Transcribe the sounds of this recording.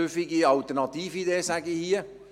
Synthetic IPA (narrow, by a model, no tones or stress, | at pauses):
øfiɡiɑlt̪ərnɑt̪iːfideːsæɡihiə